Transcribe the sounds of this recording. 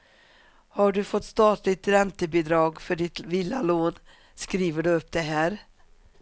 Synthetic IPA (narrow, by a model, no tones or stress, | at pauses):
haɖɵfɔt̪ːst̪ɑːt̪lɪt̪ɾɛnt̪əbɪd̪ɾɑːɡfœɖɪt̪vɪlːaloːn | skɾiːvəɖɵɵpːd̪ɛɦæːɾ